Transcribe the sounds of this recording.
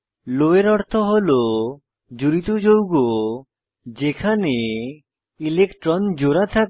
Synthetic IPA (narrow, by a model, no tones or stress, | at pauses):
loeɾɔɽt̪ʰɔɦolo | d͡ʒuɾit̪od͡ʒowɡo | d͡ʒekʰane | ilekʈɾɔnd͡ʒoɾat̪ʰa